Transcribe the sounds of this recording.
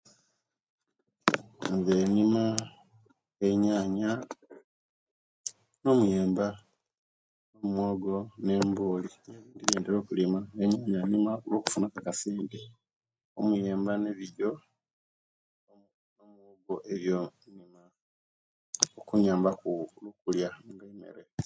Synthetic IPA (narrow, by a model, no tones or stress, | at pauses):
ŋɡenima | eɲaːɲa | no̞mujeːmba | nomwoɡo̞ne̞mboːlineβiːndiβeːndeɾo̞ːkulimaeɲaːɲanimaolwoku̥funakakasiːndi | omuje̞ːmbaneβiɟo̞ | o | nomwoɡoʔeβjonima | okuɲaːmbakulukuljaŋɡaimḛɾe